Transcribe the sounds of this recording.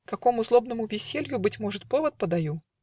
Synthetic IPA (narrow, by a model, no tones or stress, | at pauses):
kɐko̞mʊzlˠo̞bnəmʊvʲɪsʲelʲjʊbɨtʲmoʐɨt̪̚po̞vət̪̚pəd̪ɐju